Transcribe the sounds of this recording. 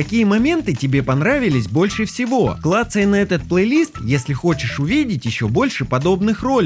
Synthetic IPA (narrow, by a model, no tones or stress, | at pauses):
kɐkʲijəmɐmʲe̞nt̪ɨtʲɪbʲe̞pɐnɾavʲɪlʲɪsʲbo̞lʲʂɨfsʲɪvo̞klˠat̪səɪnɐɛt̪ət̪̚plˠəjlʲist̪jesʲlʲɪxo̞t͡ɕɪʂʊvʲidʲɪtʲjɪɕːo̞bo̞lʲʂɨpɐd̪o̞bnɨxro̞lʲ